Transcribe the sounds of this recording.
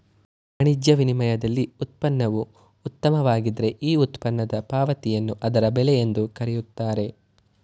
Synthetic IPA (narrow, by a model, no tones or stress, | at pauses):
ɐɳid͡ʒjɐʋinimɐjɐd̪ɐlːiut̪̚pɐnːɐʋuː | t̪ːɐmɐʋaːɡid̪ɾe̞ʔiːut̪pɐnːɐd̪ɐpaːʋɐt̪ijɐnːuʔɐd̪ɐɾɐbɛlejend̪ukɐɾɛjut̪ːaːɾe̞